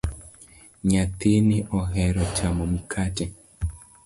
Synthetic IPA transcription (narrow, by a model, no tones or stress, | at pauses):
ɲat̪enɪʔɔɦɛɾɔt͡ʃamɔm̩kʰatɛ